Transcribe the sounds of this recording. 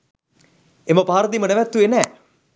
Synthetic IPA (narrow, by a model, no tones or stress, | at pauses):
eməpaːɾəd̪imənæʋæt̪ːuenɛː